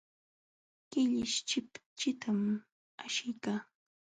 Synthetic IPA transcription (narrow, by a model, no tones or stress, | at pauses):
kɪʎɪʃt͡ʃɪpt͡ʃɪt̪ʰam | aʃɪjkaː